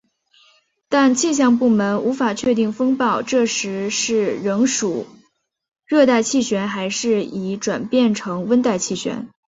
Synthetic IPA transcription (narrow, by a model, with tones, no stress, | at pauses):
t̪a˥˧nt͡ɕʰi˥˧ɕ̬jɑ˥˧ŋp̬u˥˩mə˧˥nu˧˥fa˨˩t͡ɕʰɥɛ˥˧t̪i˥˩ŋfɤ˥ŋpɑ˥˧ʊʈ͡ʂɤ˥˩ʂɻ̩˧˥ʂɻ̩˥˩ɻɤ˧˥ŋʂu˨˩ | ɻɤ˥˧t̪̬a˥˧ɪt͡ɕʰi˥˩ɕɥɛ˧˥nxa˧˥ɪʂɻ̩˥˩i˧˥˩ʈ͡ʂwa˨˩npjɛ˥˩nʈ͡ʂʰɤ˧˥ŋwə˥nt̪a˥˧ɪt͡ɕʰi˥˩ɕɥɛ̰˧˥n